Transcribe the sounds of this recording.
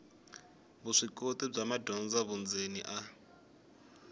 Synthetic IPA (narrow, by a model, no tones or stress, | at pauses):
βuʂikotib͡ʐamadɔnd͡zaβund͡zenḭʔa